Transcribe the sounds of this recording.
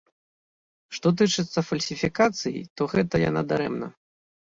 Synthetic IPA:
ʂt̪ɔt̪̬ɨt͡ʂɨt̪sːɐfɐlʲsʲifʲikat̪sɨjḭt̪ɔɣɛt̪ɐja̰na̰d̪aɾɛmnɐ̰

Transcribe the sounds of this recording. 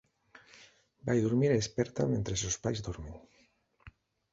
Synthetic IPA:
bajðuɾmiɾespɛɾt̪ament̪ɾesospajzd̪ɔɾmeŋ

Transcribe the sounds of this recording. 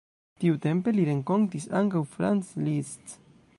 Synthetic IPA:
t̪iwt̪empeliɾeŋkoŋt̪isaŋɡawfɾanslist̪

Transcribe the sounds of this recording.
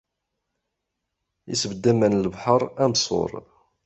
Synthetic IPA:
ḭsvəd̪ːæmːænləvħəɾˤæmsˤo̰ɾˤ

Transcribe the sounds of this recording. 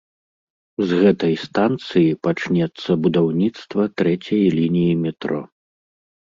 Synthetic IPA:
zɣɛt̪ɐjst̪ant̪sɨjipat͡ʂnʲɛt̪sːɐbud̪awnʲit̪st̪vɐt̪ɾɛt͡sʲɐjlʲinʲijimʲɛt̪ɾɔ̰

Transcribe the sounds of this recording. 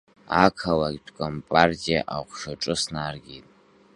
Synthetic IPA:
akʰalaɡʲtʷʰkʷʼompʼartʼija̰ʔaʁʷʂaʈ͡ʂʼɨsnarɡʲitʼ

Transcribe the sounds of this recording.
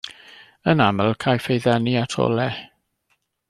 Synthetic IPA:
ənaməlˠkʰajfejðɛniatʰɔ̰lˠɛ

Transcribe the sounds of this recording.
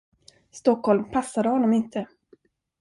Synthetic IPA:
st̪ɔkːhɔlmpʰasːad̪əhɔnːɔmɪnt̪ʰə

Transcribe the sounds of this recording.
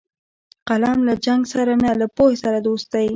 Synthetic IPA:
qalɑmlad͡ʒaŋɡsaɾanalapohesaɾad̪ost̪aj

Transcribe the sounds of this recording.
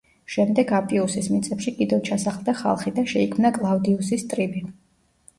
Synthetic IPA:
ʃɛmd̪ɛɡapʼiusismit̪sʼɛpʃikʼid̪ɛvt͡ʃʰasaχlˠd̪aχa̰lˠχid̪aʃɛikʰmnakʼlˠavd̪iusist̪ʼɾibi

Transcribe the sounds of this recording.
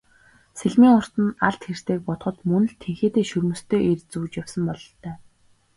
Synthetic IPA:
seɮmiːŋʊr̥t̪ɘ̆naɮt̪xer̥t̪eːk̚pɔt̪χɞ̆t̪mɵnɘ̆ɮt̪ʰeŋxeːt̪eːʃɵrmɵ̆st̪ʰeːʔert͡suːt͡ɕjawsə̆mpɔɮɞ̆ɬt̪ʰœː

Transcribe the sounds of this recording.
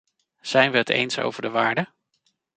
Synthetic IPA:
z̥ɛjnʋəɦətḛjnso̰wvəɹdəʋaːɹdə

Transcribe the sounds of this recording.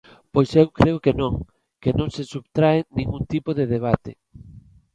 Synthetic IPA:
pojsewkɾeʊkenõŋ | kenõŋsesuβt̪ɾaenĩŋɡunt̪ipoðeðeβ̞at̪ḛ

